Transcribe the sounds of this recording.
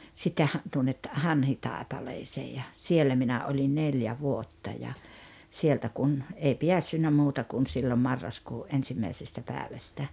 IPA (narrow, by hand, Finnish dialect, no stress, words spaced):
sitːe hɑ tuonːet hɑnhitɑˑepɑleːseː jɑ sielːæ minæ olʲin neljæ ʋuotːɑ jɑ sieltæ kun ei piæsːynːæ muːtɑ kun siːlo mɑrːɑskuːʔ ʔensimːæisestæ pæːʋæstæ